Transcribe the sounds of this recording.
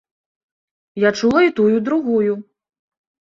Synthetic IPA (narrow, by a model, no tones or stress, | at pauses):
jat͡ʂulˠɐit̪ujud̪ɾuɣuju